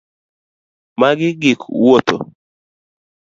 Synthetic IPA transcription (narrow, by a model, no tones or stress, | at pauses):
maɡɪɡɪkwot̪o̰